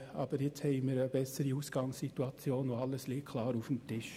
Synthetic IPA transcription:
ʔɑ̰ːb̥əɾjɪt͡shɛɪməːɾəbɛsəɾiuːsɡ̥ɑŋsituɑt͡sjoːnoɑlːəsliːkʰlɑːɾufəm̩tʰɪʃ

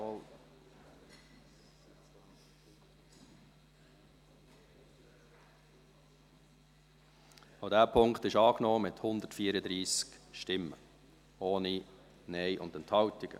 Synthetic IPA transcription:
aʊdæːpʰʊŋktɪʃɑːknɔːmɪthʊnd̪ətfiːɾəd̪ɾiːskʃtɪmːə̰ | oːni | nɛɪʔʊ̰ndɛnthɑltɪɡ̥ə̰

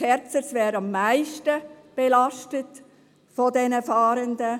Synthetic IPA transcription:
ɛɾt͡səsʋɛːɾɑmːæɪʃtəb̥elɑʃtət | fɔdɛnəfɑːɾəndə

